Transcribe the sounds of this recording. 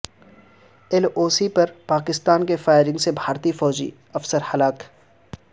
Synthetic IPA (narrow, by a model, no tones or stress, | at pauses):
ɛloːsipɐɾpaːkɪst̪aːnkefaːɪɾɪ̃ŋɡsebʱaːɾt̪ifɔːd͡ʒḭ | ɐfsəɾhɐlaːk